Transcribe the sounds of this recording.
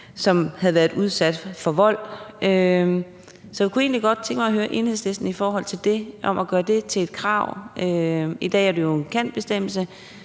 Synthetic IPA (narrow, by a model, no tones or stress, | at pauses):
sɒ̽mhæð̩ˠʋæːɐðˠuð̞ˠsæd̥fɒ̽ʋɒ̽l̰ø | sɒ̽jakue̝̰ːnliɡ̥ɒ̽d̥̚t͡sʰeŋɡ̥mɑ̈ɪɦøːɐʔe̝nhḛsle̝sd̥n̩ifɒːɦɒ̽l̰t͡sʰe̝ld̥e̝ʔɒ̽mʔæɡ̥ɶːɐd̥e̝t͡sʰe̝e̝d̥kʰʁɑ̈ʊ̰ʔøid̥ɛ̰ːæɐdejo̝enkʰæn̰d̥b̥e̝sd̥em̰l̩sə